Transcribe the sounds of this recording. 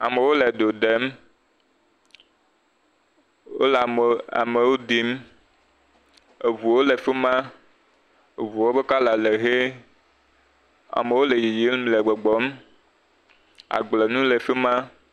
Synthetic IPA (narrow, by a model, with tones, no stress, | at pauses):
a˨me˨wo˦le˨ɖ̪o˨ɖe˨˦m | wo̰˦la̰˨me˨wo˦d̪i˦m | e˨vu˨wo˦le˨fe˦mã˦ | e˨vu˨wo˦be˦ka˦la˨le˨ɦe˦ | a̰˨me˨wo˦le˨ji˨ji˦lmle˨ɡ͡bɔ˨ɡ͡bɔ˨˦m | a̰˨ɡ͡ble˨nũ˦le˨fe˦mã˦